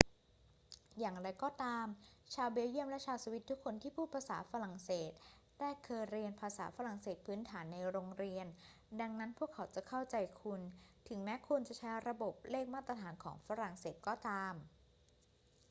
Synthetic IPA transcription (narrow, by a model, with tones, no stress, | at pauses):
jaː˨˩ŋɾa˧jkɔː˥˩t̪aː˧mt͡ɕʰaː˧wbeː˧ji˥˩əmlɛ˦˥t͡ɕʰaː˧wsa˧wi˦˥t̪ʰːu˦˥kʰːo˧nt̪ʰiː˥˩pʰuː˥˩pʰaː˧saː˩˦fa˧ɾa˨˩ŋseː˨˩t̪̚ː | ɛː˥˩kʰːɤː˧jɾi˧ənpʰaː˧sa̰ː˩˦fa˧ɾa˨˩ŋseː˨˩t̪̚pʰɯː˦˥nt̪ʰaː˩˦nːa˧jɾoː˧ŋɾi˧ən | da˧ŋna˦˥npʰu˥˩əkʰːa˩˦wt͡ɕa˨˩kʰa˥˩wt͡ɕa˧jkʰu˧nt̪ʰɯ˩˦ŋmɛ˦˥kʰu˧nt͡ɕa˨˩t͡ɕʰa˦˥jɾa˧bo˨˩p̚leː˥˩k̚maː˥˩t̪ːɾa˧t̪ʰaː˩˦nkʰɔː˩˦ŋfa˧˥ɾa˨˩ŋseː˨˩t̪̚kɔː˥˩t̪aː˧m